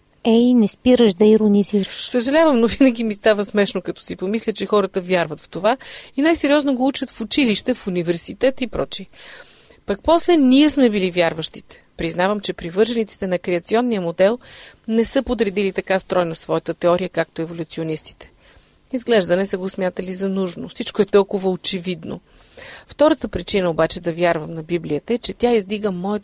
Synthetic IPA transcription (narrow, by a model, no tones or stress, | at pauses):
ɛinɛspiɾəʃd̪ɐiɾoniziɾəʃsəʒɐlʲavəmnovinəɡʲimist̪avəsmɛʃnokɐt̪ɔ̥sipomislʲət͡ʃɛxɔɾət̪əvʲjaɾvɐt̪ft̪ovainajsɛɾiɔznoɡout͡ʃət̪fʊt͡ʃiliʃt̪ɛfunivɛɾsit̪ɛt̪ipɾɔt͡ʃi | pɐk̚pɔslɛniɛsmɛbilivʲjaɾvəʃt̪it̪ɛ̥pɾiznavəmt͡ʃɛpɾivɤɾʒɛnit̪si̥t̪ɛnɐkɾɛɐt̪siɔnːijəmod̪ɛlˠnɛsɤpot̪ɾɛd̪ilit̪ɐkast̪ɾɔjnosvɔjət̪ət̪ɛɔɾijəkak̚t̪oɛvolʲut̪sionist̪i̥t̪ɛ̥ | izɡlɛʒd̪ɐnɛsəɡosmʲjat̪əlizɐnuʒnofsit͡ʃkoɛt̪ɔlˠkʊvəot͡ʃɛvid̪no̰ | ft̪ɔɾət̪əpɾit͡ʃinəobat͡ʃɛd̪ɐvʲjaɾvəmnɐbibliət̪əɛt͡ʃɛt̪ʲaizd̪iɡəmɔɛ